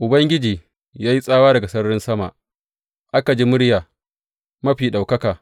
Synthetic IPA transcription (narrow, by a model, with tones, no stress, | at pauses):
ʔʊ˨bɐ˦ŋɡʲɪ˦d͡ʒiː˨ | jaː˦ji˦sʼaː˦waː˦dɐ˨ɡa˨sɐ˦ɽɽɪ˦nsɐ˦ma̰˨ʔ | ʔa˦ka˨d͡ʒiː˦mʊ˦ɽjaː˨ | mɐ˦ɸiː˨ɗa˨wkɐ˦kaː˨